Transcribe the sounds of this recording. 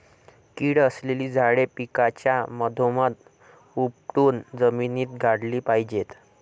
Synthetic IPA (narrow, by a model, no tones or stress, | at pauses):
kiːɽəsleliːd͡zʱaɽepikat͡ɕjaməd̪ʱomat̪ | up̚ʈuːnd͡zəminiːt̪ɡʱaɽliːpajd͡ʑet̪